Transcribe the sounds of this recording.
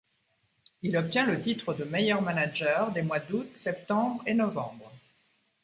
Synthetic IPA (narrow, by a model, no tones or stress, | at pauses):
ilɔp̚t̪jɛ̃lət̪it̪χəd̪əmejœʁmanad͡ʒœʁd̪emwad̪ut̪sɛp̚t̪ɑ̃bʁenɔvɑ̃bʁ